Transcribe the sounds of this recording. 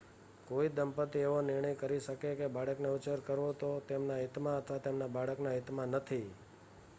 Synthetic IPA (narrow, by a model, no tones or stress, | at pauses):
koid̪əmpət̪ieʋonɪɾɳ̃əjkəɾiʃəkekebaɽəkneut͡ʃəɾkəɾʋot̪ot̪emnaɦit̪mãət̪ʰʋat̪emnabaɽəknaɦit̪mãnət̪ʰi